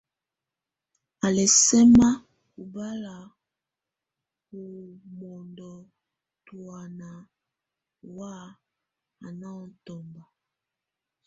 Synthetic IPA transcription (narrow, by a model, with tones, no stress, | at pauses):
a˨lɛ˨sɛ˦ma˦ | ku˨ba˦la˨ | ku˨mɔ˨ndɔ˨ | tu˨a˨na˨ | wa˦ | a˨na˦ɔ˨n˨˦tɔ˨mba˨